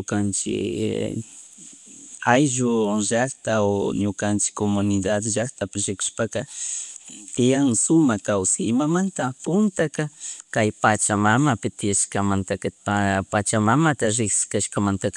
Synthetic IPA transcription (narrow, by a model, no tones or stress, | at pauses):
ɲʊkant͡ʃɪ̰ | ajʒoʒakt̪aoɲʊkant͡ʃɪ̥komʊnɪd̪ad̪ʒakt̪apɪɾɪkʊ̥ʃpaka | t̪ɪjaŋsʊmakawsɪɪmamant̪apʊnt̪akakajpat͡ʃamamapɪt̪ɪjaʃkamant̪akapapat͡ʃamamat̪aɾɪksɪ̥kaʃkamant̪aka